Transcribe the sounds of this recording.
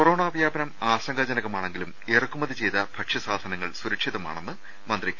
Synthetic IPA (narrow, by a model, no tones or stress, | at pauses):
kkoroːɳaːbɐjaːbɐnɐmaːsɐŋɡɐd͡ʑɐnɐɣɐmaːɳe̞ŋɡilum | erɐkːumɐðit͡ɕe̞jt̪ɐb̥ʱɐkʂɐsaːd̪ʱɐnɐŋːɐɭsuɾɐkʂiðɐma̰ːɳe̞nːɨ | mɐnd̪rikʲː